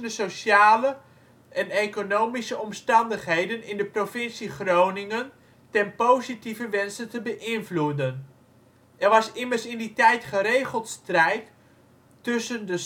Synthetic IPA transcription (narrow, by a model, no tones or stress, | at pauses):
əsoʃjaːlə | ʔɛnejkonowmisəɔmstɑndəχɦejdənɪndəprofɪnsiχrownɪŋən | tɛnpowzitivəʋɛnsəntəbəʔɪnvludən | ɛrʋɑsɪmərsɪnditɛjtχəɾejχəlˠtstrɛjtː | ʏsəndə